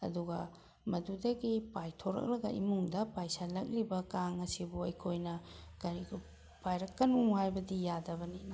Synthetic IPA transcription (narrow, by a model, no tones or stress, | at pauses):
ɐ̰duɡɐ | mɐdudɐɡipajtʰoɾɐ̰k̚lɐɡɐʔḭmuŋdɐpajsalɐk̚libɐkaŋɐsibuɐjkʰojnɐɡɐɾiɡu | pajɾɐkːɐnuŋhajbɐdijadɐbɐninɐ